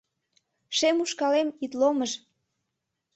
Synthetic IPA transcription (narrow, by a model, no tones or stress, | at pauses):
ʃemuʃkɑlemit̪loməʃ